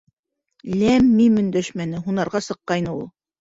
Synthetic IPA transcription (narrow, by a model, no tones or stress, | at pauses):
læmːimɵ̆nd̪æʃmænɘɦunɑɾʁɑsɤ̆qːɑjnɤulˠ